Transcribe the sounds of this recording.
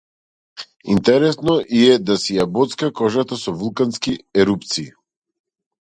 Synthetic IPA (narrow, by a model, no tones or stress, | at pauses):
int̪ɛɾɛsnɔʔiɛd̪asijabɔt̪skakɔʒat̪asɔvulˠkanskiɛɾupt̪siː